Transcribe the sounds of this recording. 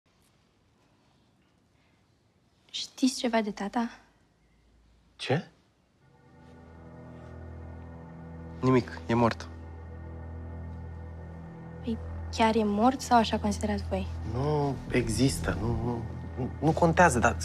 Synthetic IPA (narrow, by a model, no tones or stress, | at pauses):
ʃt̪ist͡ʃevad̪et̪at̪a | t͡ʃe | nimikjemort̪ | pəjkʲjaɾjemort̪sawaʃakonsid̪eɾasvojnueɡzist̪ənunu | nukont̪eazəd̪a